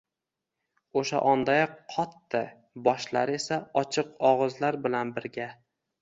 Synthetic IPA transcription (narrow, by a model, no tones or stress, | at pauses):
oʃa̰ʔɒnd̪ajqʰɒt̪ːɪ | bɒʃla̰ɾe̞saɒt͡ʃʰɨqɒʁɨzlaɾbɪlanbɪɾɡʲa